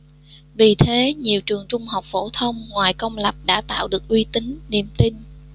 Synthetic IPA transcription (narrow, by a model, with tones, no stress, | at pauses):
vi˨˩t̪ʰe˨˦ɲi˨˩əwt͡ɕɨ˨˩əŋt͡ɕʊ˧ŋ͡mɦa˨˩wk͡p̚fo̰˧˥˩t̪ʰə˧wŋ͡mŋwaː˨˩jkə˧wŋ͡mla˨˩p̚ɗa̰ː˧˥t̪a̰ː˧˨wɗɨ˨˩ək̚ʔwi˧t̪ï˨˦ŋːḭ˧˨əmt̪i˧n